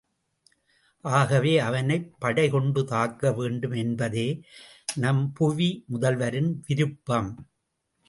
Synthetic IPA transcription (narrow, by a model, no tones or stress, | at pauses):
ʔaːɣɐʋeːɐʋɐnɐɪpːɐɽɐɪkɔɳɖɯt̪aːkːɐʋeːɳɖɯmɛnbɐðeː | nɐmpʊʋimʊðɐlʋɐɾɪnʋɪɾɯpːɐm